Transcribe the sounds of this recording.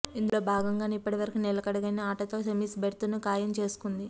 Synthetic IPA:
ind̪ulo̞ːbʱaːɡɐŋɡaːnipːɐʈiʋɐɾɐkuːnɛlɐkɐɽɐɡɐniaːʈɐt̪o̞ːsemiːsbʱeɾt̪unukaːjɐmt͡ʃe̞ːsu̥kund̪i

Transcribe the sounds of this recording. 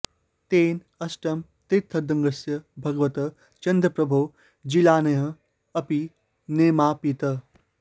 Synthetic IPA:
t̪eːn | ɐsʈɐmt̪it̪ʰːɐd̪ɐ̃ŋɡɐsjɐbʱɐɡʋɐt̪ɐ | t͡ʃɐnd̪ɾɐpɾɐbʱuː | d͡ʒilaːnɐɦɐ̃ | ɐpi | neːmaːpit̪ɐ

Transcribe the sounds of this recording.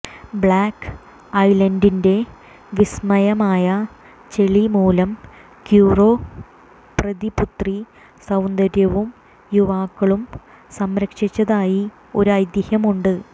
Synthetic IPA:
bɭaːkː | ɐjlɐndinde̞ | ʋismɐjɐmaːjɐ | t͡ɕe̞ɭimuːlɐm | kjuːro̞ː | prɐðiput̪ri | sɐwnd̪ɐɾjɐʋum | juʋaːkːɐɭum | sɐmɾɐkʂit͡ɕːɐðaːji | oɾuɐjd̪jɐhɐmuɳɖɨ

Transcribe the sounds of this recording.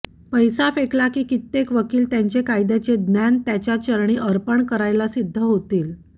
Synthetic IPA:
pəjsafeklakiːkit̪ːekʋəkiːlt̪jaɲt͡ɕekajd̪et͡sed̪njant̪jat͡ɕjat͡ɕəɾɳiːʔəɾpəɳkəɾajlasid̪ʱːəɦot̪iːl

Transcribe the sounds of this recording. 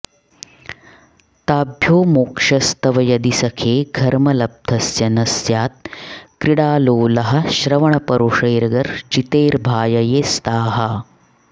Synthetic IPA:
t̪aːbʱjoːmoːkʂɐst̪ɐʋɐjɐd̪isɐkʰeːɡʱɐɾmɐlɐb̚d̪ʱɐsjɐnɐsjaːt̪̚kɾiɽaːloːlɐɦɐ̆ʃɾɐʋɐɳɐpɐɾoʂɐjɾɐɡɐɾt͡ʃit̪eːɾbʱaːjɐjeːst̪aːɦɐ

